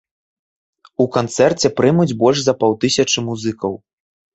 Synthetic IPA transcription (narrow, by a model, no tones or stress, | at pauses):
ukant̪sɛrt͡sʲɛpɾɨmud͡zʲbɔlʲʐzɐpawt̪ɨsʲɐt͡ʂɨmuzɨkɐw